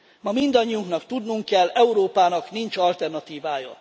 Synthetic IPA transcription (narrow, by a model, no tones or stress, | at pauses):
mɒmind̪ɒɲːiuŋknɒkt̪ud̪nuŋkːɛlːɛuɾoːpaːnɒknint͡ʃɒlt̪ɛrnɒt̪iːvaːjɒ̰